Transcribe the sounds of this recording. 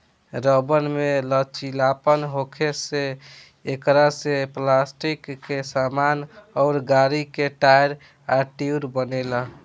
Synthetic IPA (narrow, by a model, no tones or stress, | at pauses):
ɾəbənmelət͡ʃilapənɦokʰeseː | kɾaseplasʈikːesamanɔʊɾɡaɾikeʈajɾ | aʈiuɾbənelə